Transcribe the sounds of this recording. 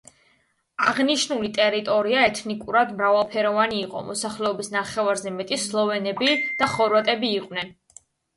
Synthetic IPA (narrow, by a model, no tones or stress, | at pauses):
aʁniʃnulit̪ʼɛɾit̪ʼɔɾiaɛt̪ʰnikʼuɾad̪mɾavalˠpʰɛɾɔvaniːqʼɔ̰mɔsaχlɛɔbisnaχɛvaɾzɛmɛt̪ʼislˠɔvɛnɛbid̪̥aχɔɾvat̪ʼɛbiːqʼwnɛn